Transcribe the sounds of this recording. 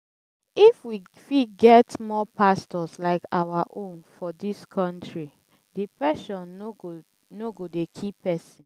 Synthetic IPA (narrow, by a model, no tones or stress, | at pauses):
ifwi | fiɡɛtmɔpʰastɔslaɪkawaʔõnfɔdiskʰɔ̃ntɹi | dipɛʃɔ̃n | noɡodekʰipːɛsĩn